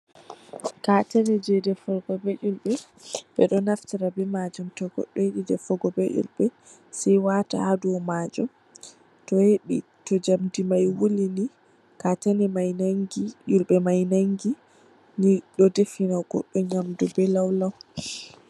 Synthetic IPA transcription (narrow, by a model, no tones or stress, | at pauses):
katanɛd͡ʒɛdɛfɔɡɔbɛʔulɓɛ | ɓɛɗɔnaftiɾabɛmad͡ʒɔmtɔɡɔ̰ɗːɔjeɗidɛfɔɡɔbɛʔṵlɓɛ | sɛjwata̰haduwɔmad͡ʒɔm | tɔjeɗi | tɔd͡ʒamdimajwulini | katanɛmajnaŋɡiʔulɓɛmajnaŋɡi | niɗɔdefinawɡ̥ɔ̰ɗːɔɲamdɔbɛlawlaw